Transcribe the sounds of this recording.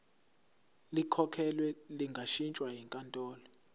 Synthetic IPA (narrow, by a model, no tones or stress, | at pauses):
likʰɔkʰɛlwɛliŋɡʱaʃint͡ʃʼwajiŋkʼantʼɔːlɔ